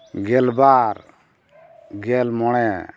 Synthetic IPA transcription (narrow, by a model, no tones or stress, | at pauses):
ɡɛlbaɾ | ɡɛlmɔɽ̃ɛ